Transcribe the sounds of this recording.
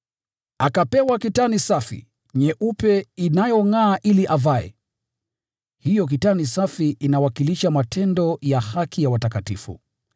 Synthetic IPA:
akapɛwakitanisafḭ | ɲɛʔupɛinajɔŋaːʔiliʔavaɛ̰ | hijɔk̬itanisafiʔinawakiliʃamatʰɛndɔjahakʰijawatakatifṵ

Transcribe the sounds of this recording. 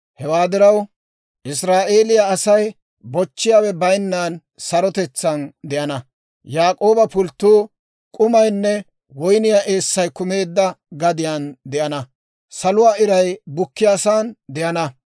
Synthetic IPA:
hɛwaːd̪ɪɾɐw | ʔɪs̬ɾaːʔe̞ːlɪjaːsɐj | bɔt͡ʃːɪjaːwɛbɐjnːaːn | sɐɾɔt̪ɛt͡sːɐnd̪ɛʔɐnɐ | jaːkʼo̞ːbɐpʊlt̪ːuː | kʼʊmɐjnːɛ | wɔjnɪjaʔe̞ːsːɐjkʊme̞ːd̪ːɐɡɐd̪ɪjaːnd̪ɛʔɐnɐ | sɐlʊwaːɪɾɐjbʊkːɪjaːsaːnd̪ɛʔɐnɐ

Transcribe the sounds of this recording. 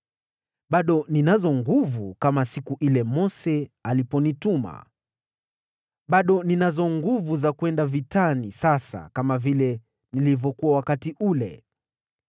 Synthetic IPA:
ɓaɗɔninazɔŋɡuvukamasikuʔilɛmɔsɛalipɔnituma̰ | ɓaɗɔninazɔŋɡuvuzakwɛndavitanisasa̰kamavilɛ | nilivjɔkuwawakatiʔulɛ̰

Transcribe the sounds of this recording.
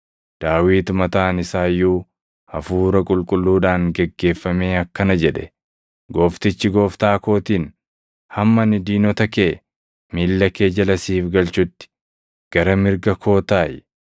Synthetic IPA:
d̪̥aːwiːt̪mɐt̪aːnɪsaːjːuː | ɐfuːɾɐkʼʊlkʼʊlːuːᶑaːŋɡɛɡːe̞ːfːɐme̞ːɐkːɐnɐd͡ʒɛᶑɛ | ɡo̞ːft̪ɪt͡ʃːɪɡo̞ːft̪aːko̞ːt̪iːn | hɐmːɐnɪd̪iːnɔt̪ɐkeː | miːlːɐke̞ːd͡ʒɐlɐsiːfɡɐlt͡ʃʊt̪ːɪ̥ | ɡ̥ɐɾɐmɪɾɡɐkʰoːt̪aːj

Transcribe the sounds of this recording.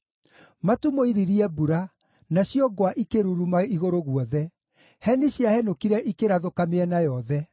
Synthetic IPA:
matumoiɾiɾiɛbuɾa | naɕjɔɡwaʔikeɾuɾumaiɣoɾoɣwɔðɛ | hɛniɕjahɛnokiɾɛʔikeɾaðokameɛnajɔðɛ

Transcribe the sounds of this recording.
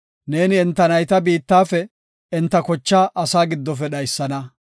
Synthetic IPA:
ne̞ːnɪɛnt̪ːɐnɐjt̪ɐbiːt̪ːaːfɛ | ɪnt̪ːɐkɔt͡ʃːaːʔɐsaːɡɪd̪ːɔf̬ɛɗɐjsːɐnɐ

